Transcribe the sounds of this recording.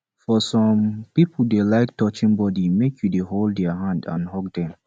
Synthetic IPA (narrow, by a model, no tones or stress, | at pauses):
fɔsɔ̃mpipʰl̩delaɪk̚tɔt͡ʃĩŋbɔdimekʰjudeholddɛəɦãndã̰nhɔɡ̚dɛ̃m